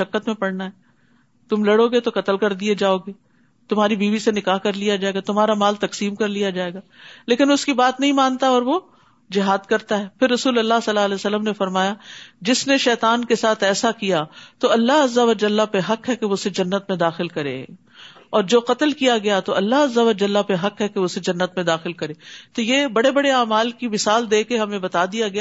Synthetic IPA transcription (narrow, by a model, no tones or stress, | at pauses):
ʃɐkːət̪mẽpɐɽnaɦɛː | t̪ʊmlɐɽoːɡet̪oqɐt̪əlkɐɾd̪ied͡ʒaːoːɡeː | t̪ʊmɦaːɾibiːʋisenɪkaːɦkɐɾlijad͡ʒaːeːɡat̪ʊmɦaːɾamaːlt̪ɐqsiːmkɐɾlijad͡ʒaːeːɡaːleːkɪnʊskibaːt̪nɐɦĩmãːnt̪aɔːɾʋo | d͡ʒɪɦaːd̪kɐɾt̪aɦɛːpʰɪɾːɐsuːlɐlːaɦsɐlːaɐlɛːsɐlːəmnefɐɾmaːjad͡ʒɪsneʃɛːt̪aːnkesaːt̪ʰɛːsakijat̪oɐlːaɦɐzːəʋɐd͡ʒɐlːapeɦɐqɦɛkeʋosed͡ʒɐnːət̪mẽd̪aːxɪlkɐɾḛ | ɔːɾd͡ʒoːqɐt̪əlkijaɡɐjat̪oɐlːaɦɐzːəʋɐd͡ʒɐlːapeɦɐqɦɛkeʊsed͡ʒɐnːət̪mẽd̪aːxɪlkɐɾeːt̪ojebɐɽebɐɽeaːmaːlkimɪsaːld̪eːkeɦɐmẽbɐt̪aːd̪ijaɡɐja